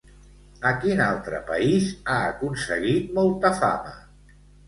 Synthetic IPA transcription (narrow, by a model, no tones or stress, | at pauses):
əkinalˠt̪ɾə̰pə̰izaəkunsəɣit̪̚mɔlˠt̪əfa̰mə